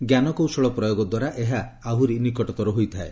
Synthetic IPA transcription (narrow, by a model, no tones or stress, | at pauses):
ɡjanɔkowsɔɭɔpɾɔjoɡɔd̪waɾaʔeɦaːɦuɾinikɔʈɔt̪ɔɾɔɦojt̪ʰae